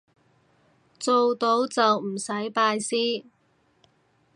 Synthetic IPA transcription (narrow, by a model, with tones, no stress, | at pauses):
t͡so˨wt̪o˨˥wt͡sɐ˨wm̩˨˩sɐ˨˥jpaː˧jsiː˥